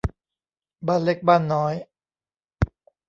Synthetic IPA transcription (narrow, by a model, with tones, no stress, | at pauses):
baː˥˩nle˦˥k̚baː˥˩nːɔː˦˥j